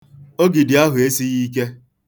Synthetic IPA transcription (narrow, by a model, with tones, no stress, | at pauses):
o˦ɡi˨dɪ˨a˦ɦʊ˨e˦si˦ɣi˦ke˦